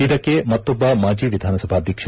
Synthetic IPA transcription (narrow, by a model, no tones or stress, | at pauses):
id̪ɐkːemɐt̪ːobːɐmaːd͡ʒiːʋid̪ʱaːnɐsɐbʱaːd̪ʱjɐkʂ